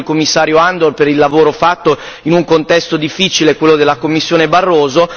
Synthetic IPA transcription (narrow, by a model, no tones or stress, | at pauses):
lkomːisːaːɾjoand̪orpeɾilːavoːɾofat̪ːo | inuŋkont̪ɛst̪od̪ifːit͡ʃilekwelːod̪elːakomːisːjoːnebarːoːzo